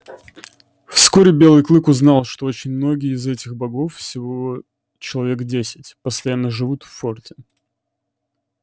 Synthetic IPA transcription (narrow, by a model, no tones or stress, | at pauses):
fskoɾʲɪbʲelˠɨjklˠɨkʊznɑlˠʂt̪oot͡ɕɪnʲmno̞ɡʲɪjɪzɛtʲɪxbɐɡo̞ffsʲɪvo | t͡ɕɪlˠɐvʲe̞kdʲesʲɪtʲpəst̪ɐjanːəʐɨvut̪fːortʲɪ̥